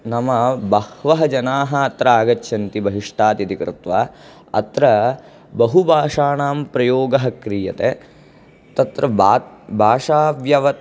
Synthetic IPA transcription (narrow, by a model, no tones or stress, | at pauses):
nɐmɐbɐhʋɐɦɐd͡ʒɐnaːɦɐɐt̪ɾɐaːɡɐt͡ʃːʃʰɐnt̪ibɐɦiʂʈaːt̪jɐd̪ikɾɪ̰t̪ʋaː | ɐt̪ɾɐ | bɐɦubʱaːʂaːnaːmpɾɐjoːɡɐɦɐkɾiːjɐ̰t̪eː | t̪ɐt̪ɾɐbʱaːʂaːʋjɐʋɐ